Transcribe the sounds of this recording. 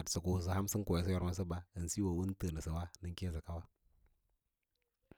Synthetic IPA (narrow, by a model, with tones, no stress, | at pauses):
a˨tsə˨ku˨s̬ə˨ɦa˦msə˦ŋ˦ko˨je˨s̬ə˦jo˨ɾma˦s̬ə˦ba˨ə˨n˨si˦wa˨wu˦n˦tə˨nə˨sə˨wa˦nə˦ŋke˦z̬ə˨ka˦wa˦